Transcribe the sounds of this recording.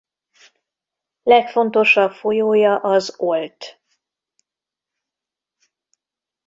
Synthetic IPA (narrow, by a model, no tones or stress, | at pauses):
lɛkfo̞nt̪o̞ʃɒpfo̞joːjɒʔɒzo̞lt̪